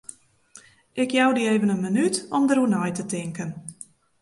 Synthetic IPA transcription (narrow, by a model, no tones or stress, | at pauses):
ʔɪkjawdieːvənənmənytɔmdərunɔjtətɪŋkən